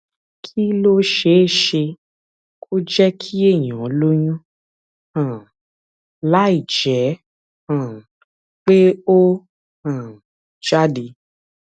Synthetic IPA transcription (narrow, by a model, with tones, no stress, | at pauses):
kʰi˦lo˦ʃe˨˦˨ʃe˧ | kʰo˦d͡ʒɛ˦kʰi˦e˦˨j̃ĩ˨o˨˦lo˦j̃ũ˦ | hã˨ | la˦i˦˨d͡ʒɛ˨˦ | hã˨ | k͡pe˦o˦ | hã˨ | d͡ʒa˦˨de˧˦